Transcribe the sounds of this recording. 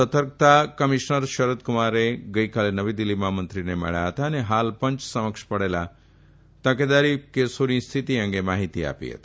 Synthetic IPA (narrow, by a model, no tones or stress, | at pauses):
ət̪əɾk̚t̪akəmiʃnəɾʃəɾəd̪kʊmaɾeɡəikalenəʋid̪ilːimãmənt̪ɾinemə̰ɭja̰ɦət̪aəneɦalpə̃ɲt͡ʃsəməkʃpəɽela̰ | t̪əked̪aɾikesonist̪ʰit̪iə̃ŋɡemaɦit̪ia̰pḭɦə̰t̪i̥